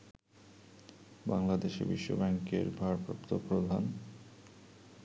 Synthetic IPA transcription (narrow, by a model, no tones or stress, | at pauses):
ba̰ŋlad̪eʃḭbiʃːo̰bɛŋkḛɾbʱaɾpɾopt̪opɾod̪ʱan